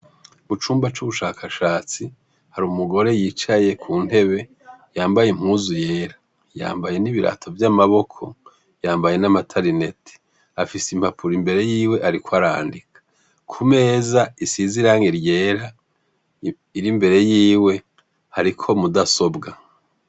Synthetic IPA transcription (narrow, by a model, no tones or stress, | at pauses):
but͡ʃuːmbat͡ʃuβuʃaːkʰaʃaːt͡si | haɾumuɡo̞ɾe̞jiːt͡ʃaje̞kʰuːn̥e̞βe̞ | jaːmbajem̥huːzuje̞ːɾḁ | ja̰ːmbaje̞niβiɾa̰tʰo̞vjamaβo̞kʰo̞ | jaːmbaje̞namatʰaɾine̞tʰi̥ | afisimpapuɾimbe̞ɾe̞jiːwe̞ʔaɾikwaɾa̰ːndikʰḁ | kʰume̞ːzaisiziɾaŋeɾje̞ːɾa | iɾimbe̞ɾe̞jiːwe̞ | haɾikʰo̞mudaso̞bɡa